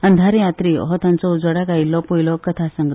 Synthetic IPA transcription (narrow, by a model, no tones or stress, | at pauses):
ənd̪ʱaɾjat̪ɾiɦɔt̪ant͡sɔud͡zəɽakajlɔpojlɔkət̪ʰasəŋɡ